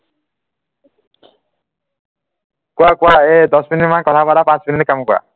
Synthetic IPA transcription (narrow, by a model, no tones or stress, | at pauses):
kuakwaed̪ʌsminimãkʌt̪ʰabaɾapãt͡smininekamkua̰